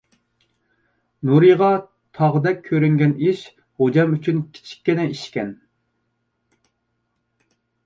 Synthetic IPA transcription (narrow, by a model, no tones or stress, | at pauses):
nuɾɨʁɑ | t̪ʰɑʁəd̪ɛk̚ʲʰːøɾyŋɡʲɛniʃ | hod͡ʒɑmyt͡ʃʰynkʲʰi̥t͡ʃʰi̥kʲːɪnɛiʃkʲɛn